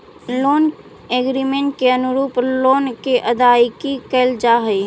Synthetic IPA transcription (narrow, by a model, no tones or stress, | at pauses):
loːn | eːɡɾimẽɳʈkeənʊɾuːploːnkeʔəd̪ajkikəld͡ʒaɦəi